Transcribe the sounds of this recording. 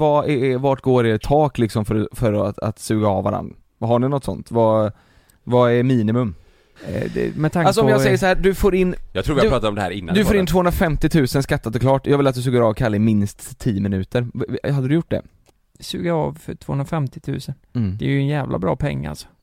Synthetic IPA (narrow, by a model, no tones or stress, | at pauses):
vaɛvaʈɡoːɾɛt̪ʰːɑːklɪksɔmfœɾfœɾɔa̰t̪sʉ̟ːɡaɑvvːa̰ɾa̰n | vaɦaɳɪnɔt̪ːsɔ̰nt̪va | vaɛɾmiːnɪmɵm | d̪ɛ̰mɛt̪ʰaŋals̬ɔmjɑːɡsɛjjəs̬ahæːd̪ɵfoːɾɪnːjɑɡt̪ɾuːvɪapɾɑːt̪ad̪ɾɔmd̪ɛhæ̰ːɾɪnːand̪ɵfoːɾɪnt̪ʰvoːhɵnɾafɛmt̪ɪt̪ʰʉ̟ːsənskat̪ʰːat̪ːɔkʰlɑːʈjɑɡvɪlat̪d̪ɵs̬ʉːɡəɾɑːvkʰalːɪmɪnst̪ʰːiːəmɪnʉ̟ːt̪əɾad̪ːəd̪ɵjʊʈ̚ːd̪ɛ̰ | sʉ̟ːɡaɑvfœ̰ʈʰv̥oːhɵnɾafɛmt̪ɪt̪ʰʉ̟ːsənd̥̪ɛjɵnjɛːvlʔa̰bɾɑ̰ːpʰɛ̰ŋːa̰lsɔ̥